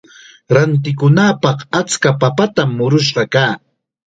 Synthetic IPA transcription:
ɾant̪̬ɪkʊnaːpɑχat͡skapapat̪amːʊɾʊʃ̬ɢɑkaː

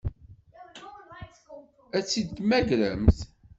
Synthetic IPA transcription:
æt͡sːid̪t̪mæɡɾəmθ

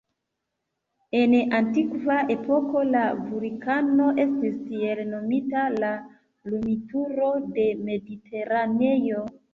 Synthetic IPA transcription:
e̞nantikvaʔe̞po̞ko̞lavuɾikano̞ʔe̞stisielno̞mitala | lumituɾo̞de̞me̞dite̞ɾane̞jo

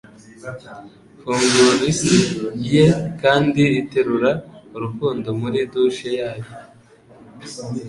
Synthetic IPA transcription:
fuːŋɡuɾisijekaːndiɾite̞ɾuɾauɾukuːndo̞muɾiduʃejaːjo

